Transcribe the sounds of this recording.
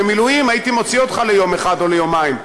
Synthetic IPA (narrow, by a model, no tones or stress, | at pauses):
emilujimajit̪imo̞t͡sio̞t̪χale̞jo̞meχado̞lejomaim